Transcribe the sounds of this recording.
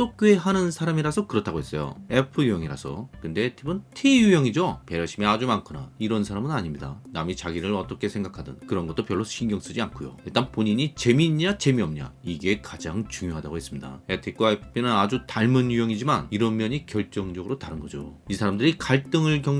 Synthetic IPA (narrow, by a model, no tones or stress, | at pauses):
s͈ok͈oeɦanɯnsʰaɾamiɾasʰʌkɯɾʌtʰaɡoes͈ʌjo̰e̞pʰɯjujʌŋiɾa̰sʰʌ̰kɯnde̞tʰibɯntʰejujʌŋid͡ʑope̞ɾjʌɕʰimead͡ʑumankʰɯnaiɾʌnsʰaɾamɯnaɲimɲidanamit͡ɕaɡiɾɯɾʌt͈ʌkʰe̞sʰe̞ŋɡakʰadʌ̰nkɯɾʌnɡʌt͈opjʌɭːoɕʰinɡjʌŋs͈ɯd͡ʑiankʰujo̰iɭt͈anpoɲiɲit͡ɕe̞miɲat͡ɕe̞miʌmɲa̰iɡe̞kad͡ʑaŋt͡ɕuŋjoɦadaɡoɦes͈ɯmɲida̰etʰik̚k͈waepʰi̥pʰinɯnad͡ʑutaɭmɯnjujʌŋid͡ʑimaniɾʌnmjʌɲikjʌɭt͡ɕ͈ʌŋd͡ʑʌɡɯɾotaɾɯnɡʌd͡ʑo̰isʰaɾamdɯɾikaɭt͈ɯŋɯɭkjʌŋ